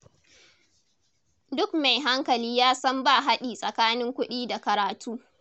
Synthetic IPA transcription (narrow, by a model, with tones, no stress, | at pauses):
dʊ˦kma˨jɦa˦ŋkɐ˨liː˦jaː˦sɐ˦mba˦˨ɦa˦ɗiː˨sʼɐ˨kaː˦nɪ˦ŋkʷʊ˦ɗiː˦da˨kɐ˨ɾaː˨tʰuː˦